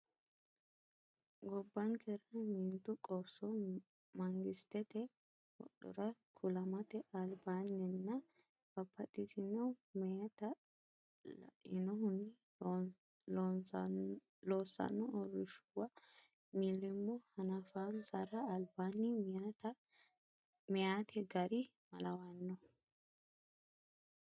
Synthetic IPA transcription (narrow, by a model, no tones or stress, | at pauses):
ɡɔbːɐŋkʰɛɾɐmiːnt̪ːʊkʼɔsːɔ | mɐŋɡɪst̪ːɛt̪ɛ | wɔ̰ɗɔ̰ɾɐkʰʊlɐmɐt̪ɛʔɐlbaːnːɛnːɐ | bɐpːɐt̪ʼːɪt̪ɪnɔmɛjɐt̪ɐ | lɐ̰ʔɪnɔhʊnɪ | lon | loːsːɐ̰nːɔɔrːɪʃuwɐ | milːɪmːɔhɐnɐfaːnsɐɾɐːlbaːnːit̪ | mɛjaːt̪ʰɛɡɐɾɪ | mɐlɐwɐnːɔ